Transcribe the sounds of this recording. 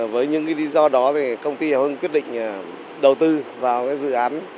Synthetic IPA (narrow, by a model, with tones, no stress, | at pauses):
vəː˨˦jɲɨ̰˧˥ŋkaː˨˦jli˨˦zɔ˧ɗɔ˨˦t̪ʰi˨˩kə˧wŋ͡mt̪i˧aː˨˩wʔə˧ŋkwi˦˥ət̚ɗḭ˧˨ŋ̟ʔː | ɗə˨˩wt̪ɨ˧vaː˨˩wkaː˨˦jzɨ̰˧˨ʔaː˨˦n